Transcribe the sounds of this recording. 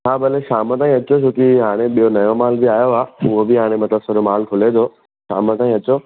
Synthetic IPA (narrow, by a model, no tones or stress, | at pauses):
t͡ɕʰaːbɐleʃaːmət̪̬aːĩɐt͡ɕot͡ɕʰʊkiɦaːɽ̃eɓijonɐjomaːlbiaːjoaːʊɦobɪɦaːɽ̃ẽmɐt̪əbsəɾomaːlkʰʊled̪ʰoː | ʃa̰ːmət̪aːĩːɐt͡ɕoː